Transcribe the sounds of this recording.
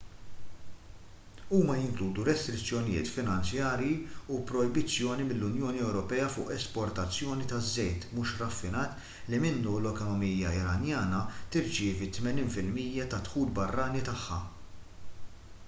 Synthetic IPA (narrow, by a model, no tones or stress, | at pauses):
uːmɐjɪŋkluːd̪uɾɛst̪ɾɪt͡sːjɔnɪjɪ̰ːt̪fɪnɐnt͡sjɐːɾjiupɾɔjbɪt͡sːjɔːnimɪlːʊnjɔːniɛwɾɔpɛːɐfʊ̰ːʔɛspɔɾt̪ɐt͡sːjɔːnit̪ɐzːɛjt̪muːʃɾɐfːɪnɐːt̪ | limɪnːulɔkɔnɔmijːɐɪɾɐnjɐːnɐt̪ɪɾt͡ʃɪːvit̪mɛniːnfɪlmiːjːɐt̪ɐt̪ħuːlbɐrːɐːnit̪ɐħːɐ̰